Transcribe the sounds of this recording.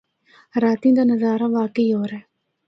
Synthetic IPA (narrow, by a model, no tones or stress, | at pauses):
ɾaːt̪ĩd̪aːnəzaːɾaʋaːkəiːɦoːɾɛː